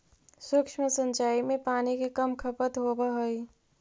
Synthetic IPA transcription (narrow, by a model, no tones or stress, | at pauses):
sʊkʃməsə̃nt͡ʃaːimẽpaːnikekəmkʰəpət̪ɦobaɦoi